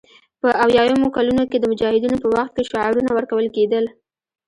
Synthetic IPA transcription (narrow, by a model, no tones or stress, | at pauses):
pəʔawjɑjamokalunoked̪əmʊd͡ʒɑhɪd̪inopəwaxt̪̚keʃʊʕɑɾunawəɾkawəlked̪əl